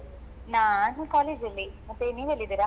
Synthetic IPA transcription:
naːnikaːled͡ʒɐlːimɐt̪ːeniːʋelːid̪iːɾa

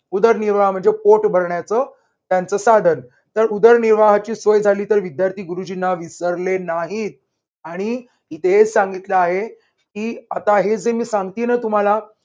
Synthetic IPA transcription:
ud̪əɾniɾʋaɦam̤əɳd͡zepoʈbʱəɾɳjat͡səː | t̪jant͡səːsad̪ʱən | t̪əɾud̪əɾniɾʋaɦat͡ɕiːsʋəjd͡zʱaliːt̪əɾʋid̪jaɾt̪ʰiːɡuɾud͡ʑinaʋisəɾlenaɦit̪̚ | aɽ̃i | it̪ʰeɦed͡zsaŋɡit̪ləaɦe | kiːat̪aɦed͡zemiːsãŋɡt̪iːnət̪um̤ala

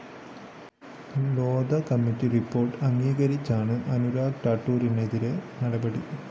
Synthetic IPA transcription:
loːd̪ɐkɐmːitːiripːo̞ːrʈɨɐŋɡiːɣɐɾit͡ɕːaːɳɨʔɐnuɾaːɡʈaːʈːuːɾineðiɾe̞nɐɽɐbɐɽi

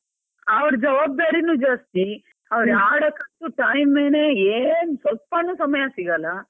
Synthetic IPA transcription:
ɐʋɐɾd͡ʒɐʋaːb̚d̪aːɾinuːd͡ʒɐst̪i | ɐʋɐɾjaːɽɐkɐnt̪uʈɐjmeːneeːnsʋɐlpɐnuːsɐmɐjɐsiɡɐlɐ

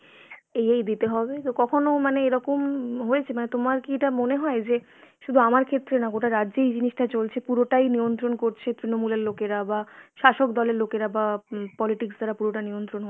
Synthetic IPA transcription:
ejejd̪it̪eɦɔbet̪okɔkʰonomaneeɾɔkomɦoet͡ɕʰemanet̪omaɾkieʈamoneɦɔed͡ʑe | ʃud̪ʱuamaɾkʰet̪ːɾenaɡoʈaɾaːʑejd͡ʑiniʃʈat͡ɕolt͡ɕʰepuɾoʈajniont̪ɾonkoɾt͡ɕʰet̪ɾinomuleɾlokeɾabaʃaʃokd̪ɔleɾlokeɾabapɔliʈiksd̪aɾapuɾoʈaniont̪ɾonɦo

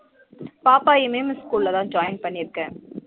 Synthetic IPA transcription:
paːpaːɪmɐjmskuːllɐt̪ãːnd͡ʒaːjɪnpɐɳːɪɾɯkːɐ̃ː

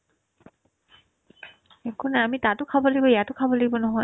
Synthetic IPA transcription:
ekʰunɛamitatʊkʰabɔlaɡibɔijatʊkʰabɔlaɡibɔnɔɦɔ

